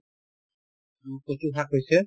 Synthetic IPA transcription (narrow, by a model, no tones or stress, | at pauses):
kosubʰʱakɦojsɛ